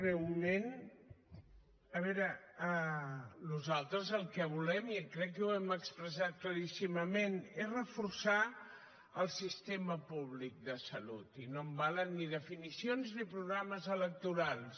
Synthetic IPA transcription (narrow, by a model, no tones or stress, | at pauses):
rewmen | əβɛɾəə | nuzalˠt̪ɾəzəlˠkəβ̞ulɛmkɾɛkːɛuɛməkspɾəs̬at̪̚kləɾisiməmenezrəfuɾsa | əlˠsist̪eməpuβlik̚d̪əsəlut̪inombalənːiðəfinisionznipɾuɣɾaməzələk̚t̪uɾalˠs